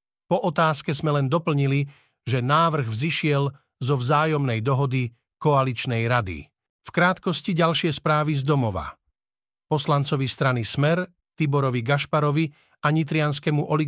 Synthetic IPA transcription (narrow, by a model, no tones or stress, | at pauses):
pɔʔɔt̪aːskɛzmɛlɛnd̪ɔpl̩ɲili | ʒɛnaːʋr̩ɣvziʃɪɛl | zɔvzaːjɔmnɛjd̪ɔɦɔd̪i | kɔalit͡ʃnɛjɾad̪ḭ | fkɾaːt̪kɔsciɟalʃɪɛspɾaːʋizd̪ɔmɔʋa̰ | pɔslant͡sɔʋist̪ɾanismɛɾ | t̪ibɔɾɔʋiɡaʃpaɾɔʋi | aɲit̪ɾɪanskɛmuʔɔli